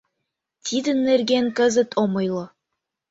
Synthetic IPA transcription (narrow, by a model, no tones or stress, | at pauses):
t̪ʲʰid̪ɘ̆nːɘ̆ɾɡeŋkɘ̆zɘ̆t̪ʰomɤ̆jlˠɤ